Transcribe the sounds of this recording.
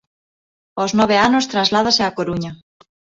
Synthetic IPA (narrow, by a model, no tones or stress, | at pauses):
oznoβeanost̪ɾazlað̞aseakoɾuɲa